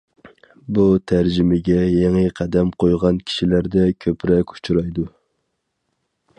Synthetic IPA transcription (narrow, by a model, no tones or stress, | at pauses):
but̪ʰæɾd͡ʒɪmɪɡʲɛjeŋɨqʰæd̪ɛmqʰojʁɑnkʲʰi̥ʃilæɾd̪ɛkʲʰøpɾɛkʲu̥t͡ʃʰuɾɑjd̪u